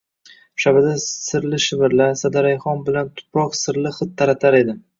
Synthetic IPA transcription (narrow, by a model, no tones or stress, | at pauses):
ʃabɪd̪asɪɾlɪʃɪvɪɾlaɾsad̪aɾajχɒnbɪlant̪ʰʊ̥pʰɾɒqsɪɾlɪχɨt̪ʰːaɾat̪ʰaɾe̞d̪ɪ